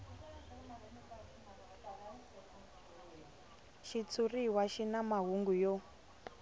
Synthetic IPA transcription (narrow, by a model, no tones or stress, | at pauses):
ʃit͡sʰuriɦwaʃinamaɦuŋɡujɔ